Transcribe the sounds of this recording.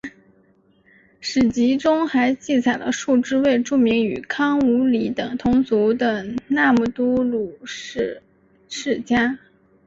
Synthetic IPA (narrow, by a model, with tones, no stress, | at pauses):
ʂɻ̩˨˩t͡ɕi˧˥ʈ͡ʂʊ˥ŋxa˧˥ɪt͡ɕi˥˩t͡sʰa˨˩ɪlə̰˦ʂu˥˩ʈ͡ʂɻ̩˥we˥˧ɪʈ͡ʂu˥˩mi˧˥ŋy̰˨˩kʰɑ˥ŋu˧˥li˧˥t̪ɤ˨˩ŋt̪ʰʊ˧˥ŋt͡su˧˥t̪ɤ˨˧˩na˥˧mu˥˩t̪u˥lu˨˩˥ | ʂɻ̩˥˩t͡ɕja˥